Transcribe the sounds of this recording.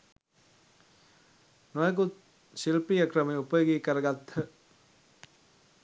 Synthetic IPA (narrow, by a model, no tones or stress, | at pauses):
nojəɡut̪̚ | silpijəkrəmeupəjoɡiːkəɾəɡat̪hə